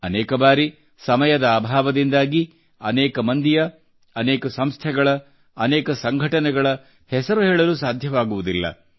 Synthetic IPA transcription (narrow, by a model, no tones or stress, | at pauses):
ɐnɛːkɐbaːɾi | sɐmɐjɐd̪ɐaːbʱaːʋɐd̪ind̪aːɡi | ɐ̰nɛːkɐmɐnd̪ijɐ | ɐnɛːkɐsɐmst̪ʰɛɡɐɭɐː | nɛːkɐsɐŋɡʱɐʈɐnɛɡɐɭɐ | hɛsɐɾuɦɛːɭɐlusaːd̪ʱjɐʋaːɡuʋud̪ilːɐ̰